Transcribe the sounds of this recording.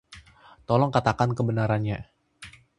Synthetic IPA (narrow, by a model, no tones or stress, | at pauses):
t̪ɔlɔŋkat̪akankəbənaɾanɲa